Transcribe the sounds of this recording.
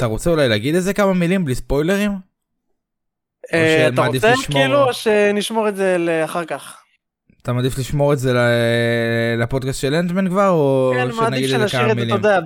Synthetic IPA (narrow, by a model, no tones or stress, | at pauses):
at̪aʁo̞t͡seulajlaːɡid̪eze̞kamamilimblispo̞jle̞ʁim | eʃat̪aad̪ifeiʃmkiluʃeniʃmoʁetzeleaχaʁkaχ | at̪amad̪ifliʃmo̞ʁezele | lapo̞d̪̚kastʃelentmenkvaʁoʃenaɡid̪ezakamʁmilomd̪ea